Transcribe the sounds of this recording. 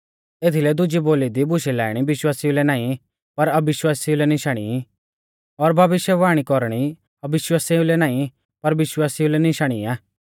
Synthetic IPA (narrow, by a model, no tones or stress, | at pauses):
eːt̪ʰilɛd̪ʊd͡ʒiboːlid̪ibʊʃilɛ̰ːɽ̃ibɪʃwaːsiulɛnãːĩ | pɐɾɐbɪʃwaːsiulɛnɪʃaɽ̃ḭ | ɔɾbʱɐʋɪʃjəʋaːɽ̃ikɔɾɽ̃i | ɐbɪʃwaːsiũlɛnaːĩ | pɐɾʋɪʃwaːsiulɛnɪʃaɽ̃ḭaː